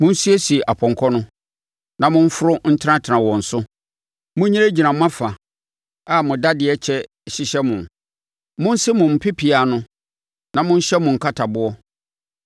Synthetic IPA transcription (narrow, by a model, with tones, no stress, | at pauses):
mʊ̃˦n̩˦si˦ɛ˦si˨e˨ʔa˨pʰɔ̃˨ŋ˨kʰɔ˦nʊ̃˦ | nã˨mʊ̃˦ɱ̩˦fʊ˦ɾʊ˦n̩˦tʰã˦tʰɪ˨nã˨wɔ̃˨n̩˨sʊ˦ | mʊ̃˦ɲĩ˦e˦d͡ʑi˨nã˨mã˦fa˨ | a˨mʊ̃˨da˦dɪ˨ɛ˦t͡ɕʰɛ˦˨ | ɕɪ˦ɕɛ˦mʊ̃˨n | mʊ̃˦n̩˦sɪ˦mʊ̃˨m̩˨pʰɪ˦pʰɪ˨a˨nʊ̃˦ | nã˨mʊ̃˦n̩˦ɕɛ˦mʊ̃˨ŋ̩˨kʰa˦tʰa˨bʊ˦ɔ˦